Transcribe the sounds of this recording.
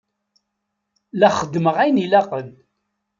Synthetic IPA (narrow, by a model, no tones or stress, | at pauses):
læχəd̪ːməʁæjnilæqən